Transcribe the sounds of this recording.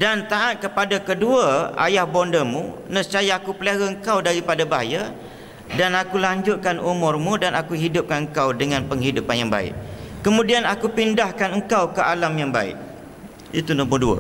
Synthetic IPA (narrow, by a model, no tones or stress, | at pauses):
dant̪aʔat̪̚kəpadakəduaa̰jahbɔndəmunəst͡ʃajaːkupəleɾaəŋkawdaɾipadabaɦaja | danakulaɲd͡ʒʊt̪̚kanumʊrmũdanakuɦidʊp̚kanəŋkawdəŋanpəŋɦidʊpanjaŋba̰ɪ̰ʔ̚kəmũdianakupindahkanəŋkawkəalamjaŋba̰ɪ̰ʔ̚ | ḭt̪unɔmʊduə̰